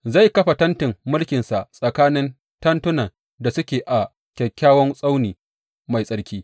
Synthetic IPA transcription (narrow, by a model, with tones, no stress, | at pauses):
za˦˨jkɐ˦ɸa˨tɐ˦ntɪ˨mːʊ˦lkʲɪ˨nsa˨ʔsʼɐ˨kaː˦nɪ˦n | tɐ˦ntʊ˦na˨ | da˨sʊ˦kʲeː˨ʔa˨ | kʲɐ˨kʲːaː˦wɔ˦nsʼa˦wniː˨ | ma˨jsʼɐ˦ɽkʲiː˦